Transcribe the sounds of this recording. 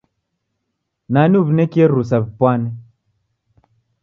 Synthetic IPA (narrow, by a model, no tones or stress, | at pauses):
naniuβinɛkieɾus̬abipwanɛ